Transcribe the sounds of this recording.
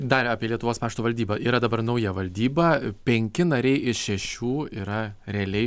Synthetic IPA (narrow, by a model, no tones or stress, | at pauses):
d̪ɐrɑːpʲiɛlʲiɛt̪ʊʋoːspɑːʃt̪uːʋɐlʲd̪ʲiːbɐʔiːɾɐd̪ɐbɐrnɐʊjɛʋɐlʲd̪ʲiːbɐpʲɛŋʲkʲɪnɐɾʲɛɪʔɪʃʃʲɛʃʲuːiːɾɐɾʲɛɐlʲɛɪ